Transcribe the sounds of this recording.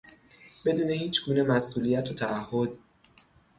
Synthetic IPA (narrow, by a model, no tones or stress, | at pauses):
b̥e̞d̪uːne̞hiːt͡ʃʰɡuːne̞mæsʔuːlijæt̪ʰot̪ʰæːhːod̪